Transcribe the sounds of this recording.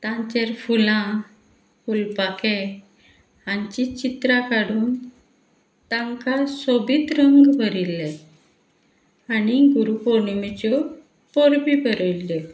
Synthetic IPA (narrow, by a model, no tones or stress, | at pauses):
t̪ãɲt͡ɕeɾfulã | fulpake | aɲt͡ɕit͡ɕit̪ɾakaɽuːn | t̪ãŋkasobiːt̪ɾəŋɡbəɾilːe | aɽiɡuɾupoɳimit͡ɕɔ | poɾbibəɾəlːe